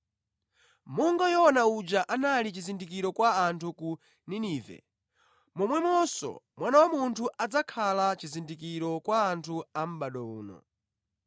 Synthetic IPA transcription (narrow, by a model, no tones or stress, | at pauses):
muŋɡajɔːnaud͡ʒaʔanalit͡ʃizindik̬iɾɔkwaːntʰuku | niniːvɛ̰ | mɔmwɛmɔsɔ̰mwanawamuntʰuʔad͡zakʰalat͡ʃizindikiɾɔkwaːntʰuam̩ɓaɗɔṵːnɔ̰